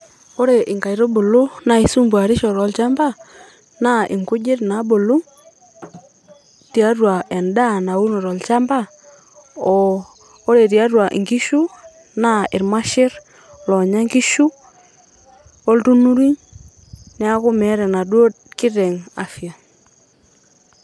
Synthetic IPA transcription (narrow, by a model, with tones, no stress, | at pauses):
o˦ɾe˨ʔɪ˨ŋka˨i˨ɾo˦bo˨lo˦na˨i˨˦su˦mbwa˨ɾɪ˦ʃɔ˨ɾɔ˨˦lt͡ʃa˦mba˦ | na˦ɪ˨ŋkʊ˦d͡ʒɪ˦ɾna˨˦bo˨lu˦ | ti˨a˦rwa˨ɛ˨nda˦na˨wu˦nɔ˨ɾɔ˨lt͡ʃa˦mba˦ | ɔ˨ | o˦ɾe˨ti˨a˦rwa˨ʔɪ̰˨ŋɡi˦ʃu˦ | na˦ɪ˨ɾma˦ʃɪ˦ɾ | lɔ˨ɲa˦ŋɡi˦ʃu˦ | o˦ltu˦nu˦ɾi˦ɲ | nɛ˦a˦kʊ˦mɛ˨˦ɾɛ˨na˨do˦ | kɪ˦ɾɛ˨ŋa˨fi˨a˨